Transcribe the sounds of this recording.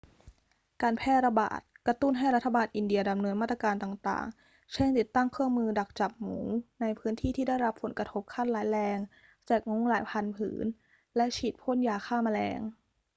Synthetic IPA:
kaː˧npʰɛː˥˩t̪̚ɾa˧ba̰ː˨˩t̪̚kɾa˧t̪u˥˩nɦa˥˩jɾa˦˥t̪ʰːa˧baː˧nʔi˧ndi˧ɐda˧mnɤː˧nmaː˥˩t̪a˧kaː˧nt̪aː˨˩ŋt̪a̰ː˨˩ŋ | t͡ɕʰe˥˩ŋt̪i˨˩t̪ːa˥˩ŋkʰɯ˥˩əŋmɯː˧da˨˩k̚t͡ɕa˨˩p̚mṵː˩˦na˧jpʰɯː˦˥nt̪ʰiː˥˩t̪ʰiː˥˩da˥˩jɾa˦˥pʰːo˨˩˦nkɾa˧t̪ʰo˦˥p̚kʰa˥˩n̚laː˩˦jlɛː˧ŋ | t͡ɕaː˨˩k̚ŋo˧˦˥ŋlaː˩˦jpʰa˧npʰɯ̰ː˩˦n | lɛ˦˥ʔt͡ɕʰiː˨˩t̪̚pʰo˥˨njaː˧kʰaː˥˩ma˧lɛ̰ː˧ŋ

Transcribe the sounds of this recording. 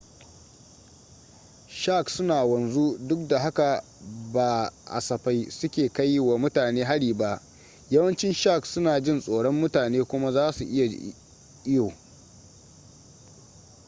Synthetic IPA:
ʃa˦˨ksʊ˦naː˨wɐ˨nzu˦dʊ˦k̚da˨ha˦ka˨ | baː˨ʔa̰˨sɐ˨ɸa˦jsʊ˦kʲeː˨ka˦jːwa˨mʊ˦taː˨neː˦ɦa˦ɽiː˨ba˦ʔ | jɐ˦wɐ˦nt͡ʃɪ˦nʃa˦˨ksʊ˦naː˨d͡ʒɪ˦˨nsʼoː˨ɽɔ˦mːʊ˦taː˨neː˦kʷʊ˦ma˦zaː˦su˨ʔɪ˦ja˨ | ʔɪ˦joː˨

